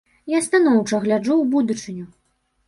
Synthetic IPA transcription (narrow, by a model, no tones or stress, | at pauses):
jast̪anɔwt͡ʂɐɣlʲad͡ʐuwbud̪ut͡ʂɨnʲu